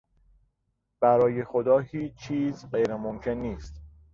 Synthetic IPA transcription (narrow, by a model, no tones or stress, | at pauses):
b̥æɾɒːje̞xo̞d̪ɒːhiːt͡ʃt͡ʃʰːiːzɢejɾemomcʰe̞nːiːst̪